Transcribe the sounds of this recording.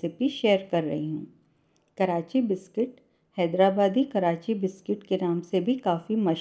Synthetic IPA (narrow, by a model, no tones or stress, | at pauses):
epiʃeːɾkɐɾːɐ̰ɦiɦũː | kɐɾaːt͡ʃibɪskɪʈ | hɛːd̪ɾaːbaːd̪ikɐɾaːt͡ʃibɪskɪʈkenaːmsebʱikaːfimɐʃ